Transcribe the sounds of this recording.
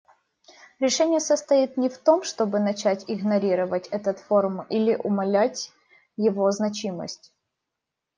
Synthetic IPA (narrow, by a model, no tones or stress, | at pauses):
ɾʲɪʂɛnʲɪjəsəst̪ɐit̪nʲɪft̪o̞mʂt̪o̞bɨnɐt͡ɕætʲɪɣnɐɾʲiɾəvətʲɛt̪ət̪foɾʊmilʲɪʔʊmɐlʲætʲ | jɪvo̞znɐt͡ɕimə̰sʲtʲ